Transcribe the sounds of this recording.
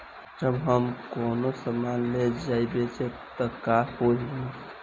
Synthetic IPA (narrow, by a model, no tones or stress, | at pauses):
d͡ʒəbɦəmkonosəmanled͡ʒaibet͡ʃʰet̪əkahoɦi